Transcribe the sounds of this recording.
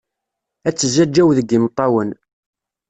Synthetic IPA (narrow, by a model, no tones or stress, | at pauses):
æt͡sːəzːæd͡ʒːæwðəɡimt̪ˤːɑwən